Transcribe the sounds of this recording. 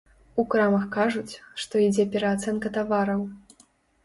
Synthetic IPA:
ukɾamɐxkaʐut͡sʲʂt̪ɔid͡zʲɛpʲɛɾɐat̪sɛnkɐt̪avaɾɐw

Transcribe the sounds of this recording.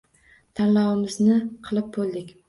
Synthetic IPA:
t̪ʰanlɑwɪmɪznɪqʰɨlˠɪp̚bolˠd̪ɪkʲ

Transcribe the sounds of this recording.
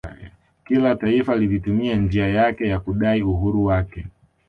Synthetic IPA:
kilataifalivitumiand͡ʒiajakɛjakuɗaiuɦuɾuwakɛ

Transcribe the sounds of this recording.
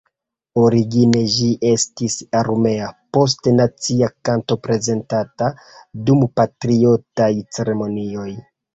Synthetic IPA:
o̞ɾiɡine̞ʒiʔe̞stisaɾme̞apo̞s̬tnat͡siakanto̞pɾe̞ze̞ntata | dumpatɾio̞tajt͡se̞ɾe̞mo̞nio̞j

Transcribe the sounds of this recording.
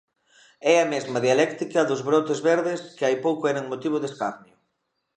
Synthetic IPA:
ɛɐmezmɐðialɛkt̪ikɐðʊzβɾɔt̪ezβeɾðɪskɪajpowkʊɛɾaŋmot̪iβ̞ʊðeskaɾnjʊ

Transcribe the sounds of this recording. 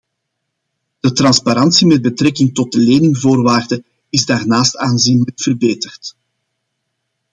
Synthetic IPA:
d̥ətrɑnspaɾɑnsimɛd̚bətɾɛkɪŋtɔd̚dəleːnɪŋvoːrʋaːrdə | ɪzdaːrnaːstaːnzinləkfərbeːtərt

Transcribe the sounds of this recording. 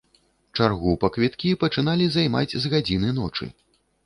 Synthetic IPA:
t͡ʂarɣupɐkvʲit̪kʲipɐt͡ʂɨn̪alʲizajma̰d͡zʲzɣad͡zʲinɨnɔ̰t͡ʂɨ̰

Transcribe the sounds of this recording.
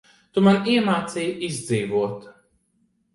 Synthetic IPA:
t̪umaniɛmaːt̪sijizʲd̪ziːvuɔt̪

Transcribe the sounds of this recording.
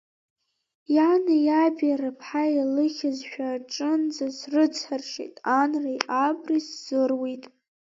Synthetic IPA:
janajabarapʰħajalɨχʲazʃᶣaʈ͡ʂʼɨnd͡zasrɨt͡sʰħarʂḛjtʼanrajʔabrisz̥ɨrwejtʼ

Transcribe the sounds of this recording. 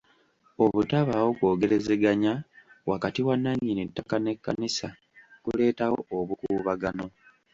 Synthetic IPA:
o̞βutaβawo̞kwo̞ːɡe̞ɾe̞ze̞ɡaɲawakatiwanːaɲːinitːakane̞kːanisa | kule̞ːtawo̞̰oβukuːβaɡano̞

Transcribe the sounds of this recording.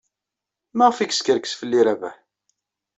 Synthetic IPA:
maʁfikskəɾkə̥sfəlːiɾævæ̰ħ

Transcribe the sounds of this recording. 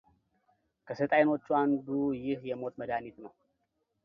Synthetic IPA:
kʰəsət̪ʼajno̞t͡ʃːuand̪ujɪhjɛmo̞t̪məd̪anit̪nəw

